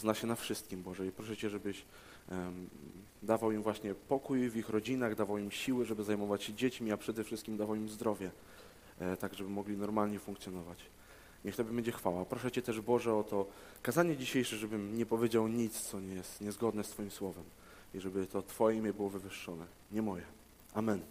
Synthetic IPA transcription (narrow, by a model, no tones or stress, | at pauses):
znaɕɛnafʂɘst̪̚kʲimbɔʐɛipɾɔʂɛt͡ɕɛʐɛbɘɕ | d̪avawimvwaɕɲɛpɔkujvʲixɾɔd͡ʑinaɣd̪avawimɕiwɘʐɛbɘzajmɔvat͡ɕɕɛd͡ʑet͡ɕmʲiapʂɛd̪ɛfʂɘst̪kʲimd̪avawimzd̪ɾɔvʲjɛ | t̪aɡʐɛbɘmɔɡlʲinɔɾmalɲɛfuŋkt̪sʲjɔnɔvat͡ɕ | ɲɛxt̪ɔbʲɘbɛɲd͡ʑɛxfawapɾɔʂɛt͡ɕɛt̪ɛʐbɔʐɛɔt̪ɔ | kazaɲɛd͡ʑiɕejʂɛʐɛbɘmɲɛpɔvʲjed͡ʑawɲit̪st̪sɔɲɛjɛst̪ɲɛzɡɔd̪nɛst̪fɔjimswɔvɛm | iʐɛbɘt̪ɔt̪fɔjɛmʲjɛbɘwɔvɘvɘʂːɔnɛ | ɲɛmɔjɛ | ʔamɛn